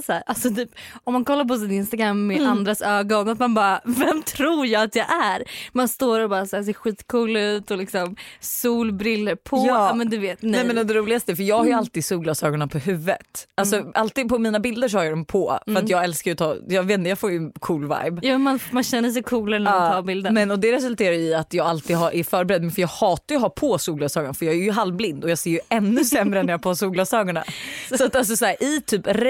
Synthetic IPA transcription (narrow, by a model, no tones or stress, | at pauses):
sæːɾalsɔt̪ʰyːpɔmːankʰɔlːaɾp̬ɔs̬ɪnɪnst̪aɡɾamːɛand̪ɾasøːɡɔnat̪manbɑːɾavɛmt̪ʰɾuːɾjɑːɡat̪jɑʔæɾmanst̪oːɾaɾɔbɑːɾasæːs̬eːɾɧiːt̪kʰuːlʉ̟ːt̪ɔlɪksɔmsuːlbɾɪlːəɾpʰɔjmɛnd̪ʉveːt̪nɛɛmɛnɔd̪ɛɾuːlɪɡast̪əɛfœɾjɑːɡhaɾjəalt̪iːd̪suːɡlat̪søːɡɔnapʰɔɦʉvːə̰t̪ʔalsɔʔalt̪iːd̪̚pʰɔmiːnabɪld̪əʂ̬ɔhaɾjɑːd̪ɔmpʰɔfœɾat̪jɑːɡɛlskaɾjʉt̪ʰɑːjɑːveːt̪nt̪əjɑːɡfoːjɵnkʰuːlva̰jbjamanmanɕɛnːəʂɛjkʰuːlaɾnːmat̪ʰɑːbɪld̪əmɛnɔd̪ɛɾɛsɵlt̪ʰeːɾajʉɪat̪jɑːɡalt̪iːd̪ɦaɾʔɛɾfœːɾbɛɾɛd̪ːmɛnfœɾjɑːɡhɑːt̪aɾjɔɦapʰɔsuːɡlasɑːɡaɳafœɾjɑːɡæɾjɵɦalvblɪnd̪ɔjɑːɡseːɾjɵɛnːɵsɛmɾənæɾjapɔhasuːɡlasɑːɡaɳa̰sɔat̪ːals̬ɔsæːɾʔɪt̪ʰyːpɾ